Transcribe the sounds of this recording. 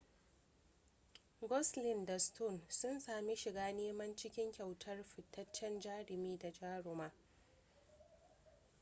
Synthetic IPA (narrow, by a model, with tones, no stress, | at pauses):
ɡɔ˦slɪ˨nda˨stu˦˨nsʊ˦nsaː˨mi˦ʃɪ˨ɡaː˦neː˦mɐ˦nt͡ʃɪ˦kʲɪ˦ŋkʲa˨wtʰɐ˦rɸɪ˨tʰːɐ˦t͡ʃːɛ˦nd͡ʒaː˦ɽɪ˨miː˦da˨d͡ʒaː˦ɽʊ˨maː˦